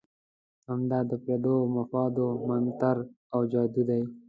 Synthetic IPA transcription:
hamd̪ɑd̪əped̪omafɑːd̪omant̪aɾ | awd͡ʒɑːd̪ud̪aj

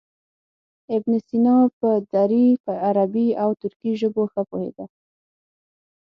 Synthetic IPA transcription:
ɪbnɪst̪inɑpəd̪aɾipəaɾabiawt̪ʊɾkiʒəboxəpohḛd̪a

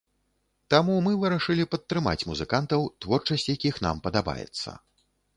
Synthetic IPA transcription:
t̪amumɨvɨɾɐʂɨlʲipɐt̪ːɾɨma̰t͡sʲmuzɨkant̪ɐwt̪vɔrt͡ʂɐsʲt͡sʲjakʲixna̰mpɐd̪aba̰jɛ̰t̪sːɐ̰

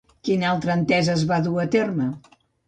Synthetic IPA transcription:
kinalˠt̪ɾəːnt̪ɛzəːzβaðuət̪ermə

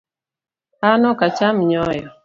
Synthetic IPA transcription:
anɔkat͡ʃamɲɔjɔ

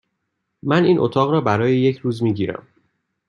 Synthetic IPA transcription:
mæniːnʔo̰t̪ʰɒːɣɾɒːbæɾɒːjeje̞cʰɾuːzmiːɟiːɾæ̰m

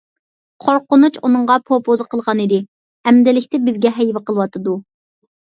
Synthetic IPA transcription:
qʰoɾqʊnut͡ʃunɨŋʁɑpʰopʰozɨqʰəlˠʁɑnɨd̪ɪ | ɛmd̪ɪlɪkʲt̪ɪbɪzɡʲɛɦɛjwɪqəlˠwɑt̪ʰɨd̪u

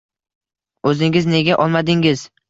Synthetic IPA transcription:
ɵzɪŋɪzne̞ɡʲaʔɒlˠmad̪ɪŋɪz̥

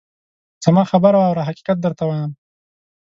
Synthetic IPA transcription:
z̥amɑxabəɾawawɾaɦaqi̥qat̪̚d̪əɾt̪awajəm

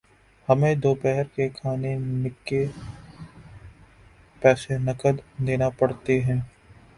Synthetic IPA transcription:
hɐmẽd̪oːpɛɦɛɾkekʰaːnenɪkːe | pɛːsenɐkəd̪neːnapɐɽt̪eɦɛ̃ː

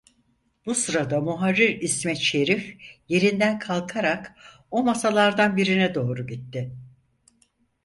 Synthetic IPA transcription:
busɯɾad̪amuɦaɾːiɾismɛt̪ʃe̞ɾifje̞ɾind̪ænkʰalˠkʰaɾak | o̞masalˠaɾd̪anbiɾinɛd̪o̞ːɾuɟit̪ːɪ

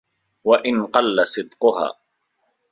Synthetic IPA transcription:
waʔɪnqɑlːasɨd̪qʊɦa̰ː

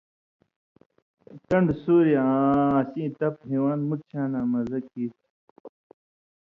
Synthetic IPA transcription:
kɐɳɖsuːɾiãsĩːt̪ɐpɦiwaːnmut̪̚t͡ɕʰãːnaːmɐzɐkːiːt̪

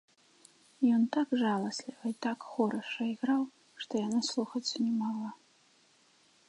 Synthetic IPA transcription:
jontʰakʐalˠɐslʲivɐitʰakχoɾɨʂɐiɣraw | ʂt̪ʰojanɨslˠuχɐt͡sʷʰɨnʲimala

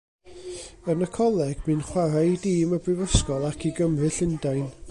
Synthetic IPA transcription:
ənəkʰɔlˠɛɡ̥̚mɨnχwaɾadiːməbrɪvəskɔlˠakʰiɡəmrɨɬɪndajn

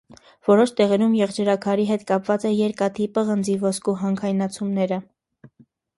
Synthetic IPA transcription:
v̥ɔɾɔʃt̪ɛʁɛɾumjɛʁd͡ʒəɾɑkʰɑɾiɦɛt̪kɑpvɑt͡sɛjɛɾkɑt̪ʰipəʁənd͡zivɔskuɦɑŋkʰɑjnɑt͡sʰumnɛɾə

